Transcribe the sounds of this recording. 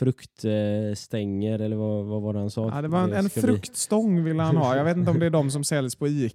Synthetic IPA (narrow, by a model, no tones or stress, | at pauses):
fɾɵkt̪st̪ɛŋːəɾɛlːəɾvavavaɾɛhansɑːd̪ɛvaɾɛnɛnffɾɵkt̪st̪ɔŋːvɪlːəhanhɑːjɑːɡveːt̪ɪnt̪əɔmd̪ɛæɖɔms̬ɔmsɛljəspʰɔiː